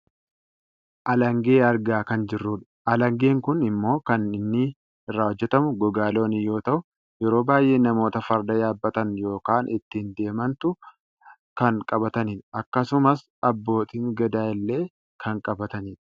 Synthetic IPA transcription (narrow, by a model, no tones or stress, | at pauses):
ʔɐlɐŋɡe̞ːɐɾɡaːkɐnd͡ʒɪrːuːᶑɐ̥ʔɐlɐŋɡe̞ːŋkʊnɪmːo̞ːkɐnɪnːɪ | ɪrːaːhɔd͡ʒːɛt̪ɐmʊɡɔɡaːlo̞ːnɪjo̞ːt̪ɐʔʊ | jɛɾo̞ːbaːjʔe̞ːnɐmo̞ːt̪ɐfɐɾd̪ɐjaːbːɐt̪ɐnjo̞ːkaːnʔɪt̪ːɪnd̪e̞ːmɐnt̪ʊ | kɐŋkʼɐbɐt̪ɐniːᶑʔɐkːɐsʊmɐs | ɐbːo̞ːt̪iːŋɡɐd̪aːɪlːe̞ː | kʰɐŋkʼɐbɐt̪ɐniːᶑ